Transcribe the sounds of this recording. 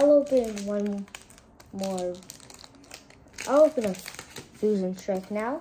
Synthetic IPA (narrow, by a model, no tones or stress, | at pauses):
aɪlˠoʊpɨ̃nnwʌ̃n | mɔɹ | ʔaɪlˠoʊpɨ̃nəfʉzɨ̃ntʰɹ̥ɛk̚naʊ